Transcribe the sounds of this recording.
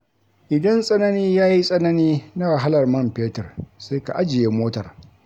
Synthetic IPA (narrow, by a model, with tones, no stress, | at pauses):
ʔɪ˨dɐ˦nsʼɐ˦nɐ˦niː˦jaː˦ji˦sʼɐ˦nɐ˦niː˦na˦wa˨ɦa˦lɐ˨rmɐ˦˨mpeː˦tɐ˨rse˦ka̰˨ʔa˦d͡ʒɪ˨jeː˦moː˦tɐ˨r